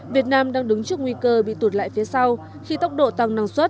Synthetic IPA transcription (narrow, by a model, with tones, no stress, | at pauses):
vi˨˩ət̚naː˧mɗaː˧ŋɗɨ˨˦ŋt͡ɕɨ˦˥əkŋwi˧kəː˧ɓḭ˧˨t̪u˨˩t̚la̰ː˧˨jfi˨˦əsa˧w | xi˧t̪ə˦˥wk͡p̚ɗo̰˧˨t̪a˨˩ŋnaː˧˩ŋswə˦˥t̚